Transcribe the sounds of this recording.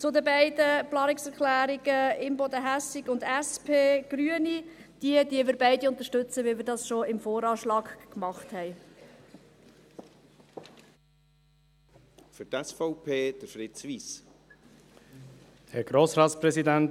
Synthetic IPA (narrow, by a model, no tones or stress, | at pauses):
t͡sʊdəbɛɪdəplɑːnɪksɛɾklæːɾiɡ̥əɪmbɔd̪əɦæsɪɡʊndæspʰeːɡ̥ɾyənid̪̥iədiəʋɪːɾbɛɪdiʊnt̪əʃtɵt͡səʋɪlmɪːɾdɑsʃoɪmfoːɾɑːʃlɑːɡkmɑχthɛɪ | fʏɾt̪ɛsfɔʊpʰeːd̥əɾfɾɪt̪sʋis | hɛɾɡ̥ɾoːsɾɑːt̪spɾɛsidænt